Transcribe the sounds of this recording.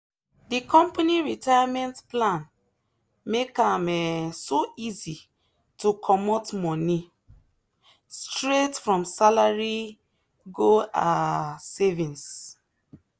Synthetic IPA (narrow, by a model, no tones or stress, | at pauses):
dikʰɔ̃mpaniɹitajamɛ̃ntplãn | mekamɛsoizi | tukʰɔmɔtmɔni | stɹetfɹɔ̃msalaɹi | ɡoasevĩns